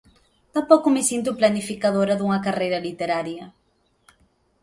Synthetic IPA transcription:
t̪ãpowkʊmɪsint̪̬ʊplanifikaðoɾɐðuŋɐkarejɾɐlit̪eɾaɾjɐ

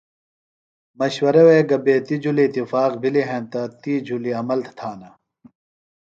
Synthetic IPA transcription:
mɐɕwɐɾɐweːɡɐbeːt̪id͡ʑuliːt̪ːifaːqbiliɦẽːnt̪ɐt̪id͡ʑuliɐmɐlt̪ʰt̪ʰaːnɐ

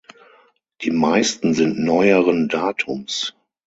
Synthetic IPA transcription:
d̥iːmaɪstn̩zɪntnɔʏəʁəndaːtʰʊms

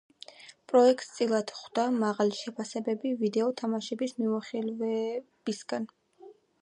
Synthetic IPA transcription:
pʼɾɔɛkʼt̪st̪sʼilˠad̪̥χd̪̥amaʁaliʃɛpʰasɛbɛbivid̪ɛɔt̪ʰamaʃɛbismiaχilvɛb̥isɡ̥an

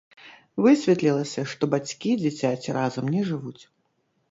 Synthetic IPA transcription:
vɨsʲvʲɛt̪lʲilˠɐsʲɐʂt̪ɔbat͡sʲkʲid͡zʲat͡sʲat͡sʲɾazɐmnʲɛʐɨvut͡sʲ

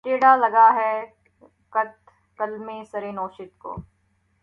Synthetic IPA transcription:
ʈeːɽalɐɡaɦɛ | kɐt̪ | kɐlmesɐɾeːnoːʃɪt̪ko̰ː

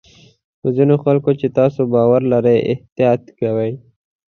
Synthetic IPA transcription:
xozinoxalkot͡ʃet̪ɑsobɑwaɾlaɾəjʔɪ̰ht̪jɑt̪kawaj

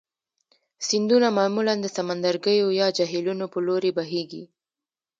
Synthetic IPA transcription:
sind̪unamɑmuland̪əsamand̪aɾɡəjojɑd͡ʒaɦelunopəloɾebaɦeɡḭ

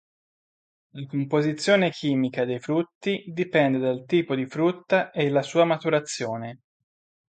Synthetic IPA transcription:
lakompozit̪sːjoːnek̟ʰiːmikad̪ejfɾut̪ːid̪ipɛnd̪ed̪alt̪iːpod̪ifɾut̪ːaʔelːasuːamat̪uɾat̪sːjoːne

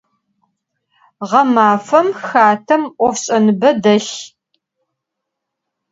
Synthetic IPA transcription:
ʁɐmaːfɐmxaːtʰɐmʔʷɔfɕʼɐnɨbɐdɐɬ

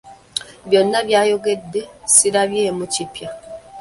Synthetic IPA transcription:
βjo̞nːaβjaːjo̞ɡe̞dːe̞siɾaβjeːmucipja

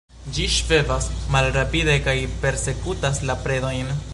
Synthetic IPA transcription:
d͡ʒiʃve̞vasmalɾapide̞kajpe̞ɾse̞kutaslapɾe̞do̞jn

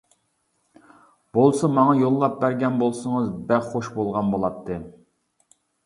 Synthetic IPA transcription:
b̥olˠsɑmɑŋɑjolˠːɑp̚bæɾɡʲɛnbolˠsɨŋɨzbæχoʃbolˠʁɑnbolˠɑt̪ʰːɨ

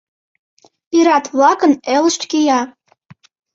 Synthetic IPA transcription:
iɾɑt̪vlɑkə̆neləʃt̪kʲejɑ

